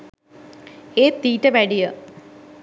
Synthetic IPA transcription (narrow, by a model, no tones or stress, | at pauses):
eːt̪ːiːʈːəʋæɖijə